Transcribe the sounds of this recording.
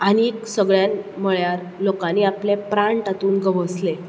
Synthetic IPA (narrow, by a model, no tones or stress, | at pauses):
añieksəɡɭjanməɭjaɾ | lokãnːiːaplepɾãɳʈat̪uːnɡəʋəsle